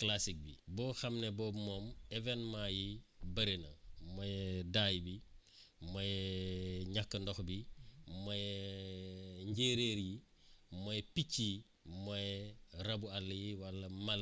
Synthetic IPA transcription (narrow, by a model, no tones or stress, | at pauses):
klasik̚bibɔːxɐmnɛbɔmɔːmɛvɛnmajibɐɾinɐ̰mɔjɛdaːjbi | mɔjɛ | ɲakːəndɔxbimɔjɛ | ɲɟeːɾeːɾji | mɔjɛpicːi | mɔjɛɾɐbualːjiwɐlːɐmal